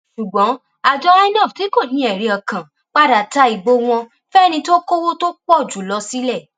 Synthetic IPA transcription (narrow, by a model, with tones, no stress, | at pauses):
ʃu˨ɡ͡bɔ̃˨˦ | a˨d͡ʒɔ˧a˦nɔ˦˨fti˨˦ko˦˨nĩ˧˦ɛ˨ɾi˨˧ɔ˧kã˨ | k͡pa˦da˨ta˨˦i˨bo˧˦w̃ɔ̃˧ | fɛ˦nĩ˧to˦ko˦wo˦to˦k͡pɔ˦˨d͡ʒu˨˦lɔ˧si˦lɛ˦˨